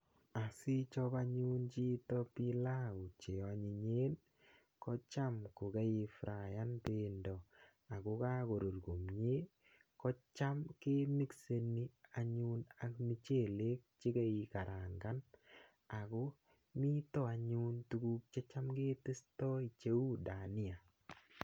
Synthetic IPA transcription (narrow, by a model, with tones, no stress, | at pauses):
a˨si˦t͡ʃɔpa˦ɲunt͡ʃi˦tɔ˦pi˦la˦u˨t͡ʃe˨ɔ˨a˨ɲi˨ɲe˦n | kɔ˦t͡ʃa˦mko˨ke˦i˨fɾa˨ja˦npendɔ˨ | a˨ko˦ka˦ko˨ɾo˨rko˨mɲe˦ | kɔ˦t͡ʃa˦mke˦mi˦kse˧ni˦a˨ɲu˦na˨kmi˦t͡ʃe˦˨le˦k̚t͡ʃɪ˦ke˦i˨ka˨ɾa˨ŋɡa˦n | a˨ko˦ | mi˦tɔ˦a˨ɲu˦ntu˦ɡu˦k̚t͡ʃe˦t͡ʃa˦mke˦tɪ˦stɔ˦i˨t͡ʃe˦u˦da˨nɪ˦a˨